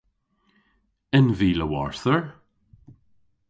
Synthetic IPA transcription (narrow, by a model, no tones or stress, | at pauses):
ɪnviːləwɔ̰ɹθəɹ